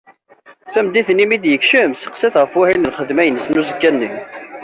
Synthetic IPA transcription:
θæmd̪iθnimid̪jəkʃəmsə̥qsiθʁəfwæhinəlχəðmæjənəsnuzəkːænːim

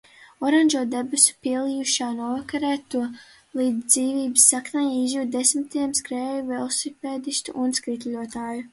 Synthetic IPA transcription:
ɔɾanʲʒuɔd̪ebɨsu̥piɛlˠijuʃaːnuɔvakaɾɛːt̪ːuɔ | lˠiːd̪zd̪ziːviːbɨ̥sːaknajizjuːt̪̚d̪esmit̪iɛmskɾɛːjuvɛːlˠsipɛːd̪ist̪ṵʔunskɾit̪lʲuɔt̪aːju

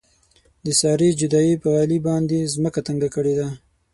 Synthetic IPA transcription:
d̪əsɑɾid͡ʒʊd̪ɑipəɣɑlibɑnd̪ezməkat̪əŋɡakəɽed̪a

